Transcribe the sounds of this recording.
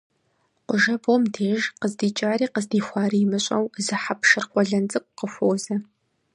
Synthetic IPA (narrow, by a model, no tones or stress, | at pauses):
qʷʊʒɐbomdʰeːʒqəzdiːt͡ʃʼaːɾiːqəzdiːxʷɑːriːmɨɕʼɐwzɨħapʰʃɨrχʷɔɮɐnt͡sʼɨk̚ʷqəxʷoːwzɐ